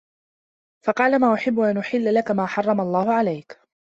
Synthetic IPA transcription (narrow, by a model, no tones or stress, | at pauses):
fɑqɑːlamaːʔʊħɪbːʊʔanʔʊħɪlːalakamaːħɑrˤːɑmalˤːɑːhʊʕalajk